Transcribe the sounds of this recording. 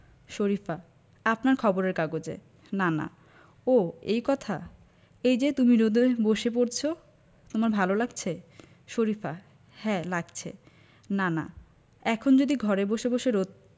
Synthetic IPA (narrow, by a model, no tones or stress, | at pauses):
ʃoɾifa | apnaɾkʰɔboɾeɾkaɡod͡ʑḛ | nana̰ | oejkɔt̪ʰa | ejd͡ʑet̪uminod̪eboʃep̬oɾt͡ɕʰo | t̪omaɾbʱalolaɡt͡ɕʰe | ʃoɾifa | hɛlaɡt͡ɕʰḛ | nana̰ | ɛkʰond͡ʑod̪iɡʱɔɾeboʃeboʃeɾot̪̚